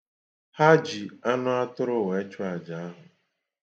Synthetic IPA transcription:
ha˦d͡ʒi˨a˦nʊ˦a˦tʊ˦ɾʊ˦˨we˨e˦t͡ʃʊ˦a˨d͡ʒa˨a˦ɦʊ˨

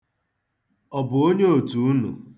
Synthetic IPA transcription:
ɔ˨bʊ˨o˦ɲe˦o˨tu˨u˦nṵ˨

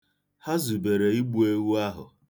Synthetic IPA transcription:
ha˦zu˨be˨ɾe˨i˦ɡ͡bu˦e˦wu˦a˦ɦʊ̰˨

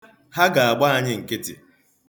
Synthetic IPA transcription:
ha˦ɡa˨a˨ɡ͡ba˦a˦ɲɪ˦ŋ̩˨kɪ˦tɪ̰˨

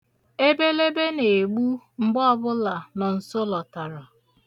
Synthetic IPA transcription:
e˦be˦le˦be˦ne˨ɡ͡bu˦ | ŋ͡m̩˨ɡ͡bɔ˦ɔ˦bʊ˦la˨nɔ˨n̩˨so˦lɔ˨ta˨ɾɔ˨

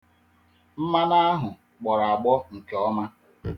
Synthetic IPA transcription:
m̩˦ma˦na˦a˦ɦʊ˨ | k͡pɔ˨ɾa˨a˨ɡ͡bɔ˦ŋ̩˨ke˨ɔ˦ma˦

